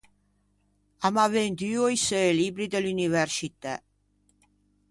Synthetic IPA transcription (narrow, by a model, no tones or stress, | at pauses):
amavend̪yojselibɾid̪elynivɛɾsit̪ɛ